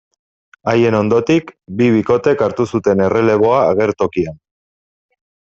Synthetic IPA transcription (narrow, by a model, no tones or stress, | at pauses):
aje̞no̞nd̪o̞t̪ikbiβ̞iko̞t̪e̞kaɾt̪usut̪e̞ne̞re̞le̞β̞o̞aːɣ̞e̞ɾt̪o̞kian